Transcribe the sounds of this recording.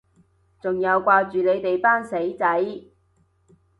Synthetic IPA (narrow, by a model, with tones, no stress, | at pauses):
t͡sʊ˨ŋjɐ˨˧wkʷaː˧t͡ʃyː˨ne˨˧jt̪e˨jpaː˥nse˨˥jt͡sɐ˨˥j